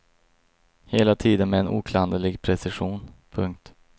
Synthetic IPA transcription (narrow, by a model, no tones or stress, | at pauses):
heːlat̪ʰiːd̪ənmɛːnʔṵːkʰland̪əlɪɡpʰɾɛsɪɧuːnpʰɵŋk̚t̪